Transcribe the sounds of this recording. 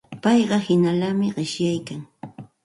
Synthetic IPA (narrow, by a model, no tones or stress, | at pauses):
pɑjɢɑhɪnalamɪɢɪʃjajkaŋ